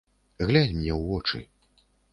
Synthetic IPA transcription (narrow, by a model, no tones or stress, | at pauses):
ɣlʲad͡zʲmʲnʲɛwvɔt͡ʂɨ̰